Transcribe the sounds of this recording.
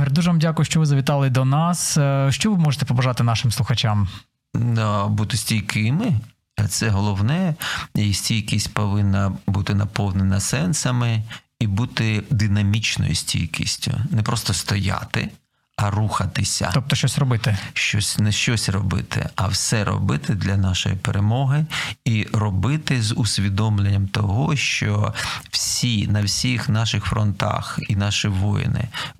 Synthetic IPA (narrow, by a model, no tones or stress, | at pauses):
ɛrʲd̪uʒɛʋɑmdʲakʊjʊʃt͡ʃɔʋɪzɐʋʲɪt̪ɑlˠɪd̪ɔnɑsʃt͡ʃɔʋɪmɔʒet̪ɛpɔbɐʒɑt̪ɪnɑʃɪmslˠʊxɐt͡ʃam | d̪abut̪ɪsʲtʲijkɪmɪ | t̪sɛɦɔlˠɔwnɛisʲtʲijkisʲtʲpɔʋɪnːɐbut̪ɪnɐpɔwnenɐsɛnsɐmɪ | ibut̪ɪd̪ɪnɐmʲit͡ʃnɔ̰jḭsʲtʲḭjkḭsʲtʲʊ̰nɛpɾɔst̪ɔst̪ɔja̰t̪ɪ̰ | ɐruxɐt̪ɪsʲɐ̰ɔp̚t̪ɔʃt͡ʃɔsʲrɔbɪt̪ɪʃt͡ʃɔsʲnɛʃt͡ʃɔsʲrɔbɪ̰t̪ʰɪ̰ɐwsɛɾɔ̰bɪt̪ɪd̪lʲɐnɑʃɔ̰jḭpeɾemɔɦɪirɔbɪt̪ɪzʊsʲʋʲid̪ɔmlʲenʲːɐmt̪ɔɦɔʃt͡ʃɔw̥sʲinɐwsʲixnɑʃɪxfɾɔnt̪ɑ̰xinɑʃiʋɔjɪ̰nɪ̰